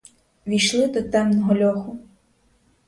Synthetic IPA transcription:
ʋʲijʃlˠɪd̪ɔt̪ɛmnɔɦɔlʲɔxʊ

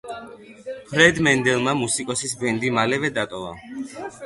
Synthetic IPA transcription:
pʰɾɛd̪mɛnd̪ɛlˠmamusikʼɔsisbɛnd̪imalɛvɛd̪at̪ʼɔva̰

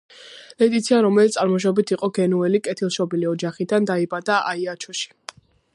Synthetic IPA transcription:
lɛt̪ʼit̪sʰianɾɔmɛlit̪ʼaɾmɔʃ̬ɔbit̪ʰiqʼɔɡɛnuɛlikʼɛt̪ʰilˠʃɔbiliɔd͡ʒaχid̪and̪aibad̪aʔa̰iat͡ʃʰɔʃi̥

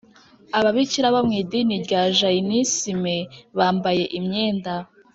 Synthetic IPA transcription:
aβaβiciɾaβamŋiːdiniɾɟaːʒainisimeβaːmbaje̞ʔimɲeːnda

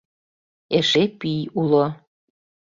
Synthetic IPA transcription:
eʃepyjulo

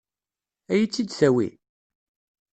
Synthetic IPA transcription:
æjit͡sːid̪θæwḭ

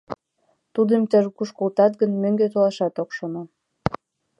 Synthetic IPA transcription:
t̪ud̪əmt̪əʒkuʃkolt̪ɑt̪̚ɡənmøŋɡet̪olɑʃɑt̪okʃono

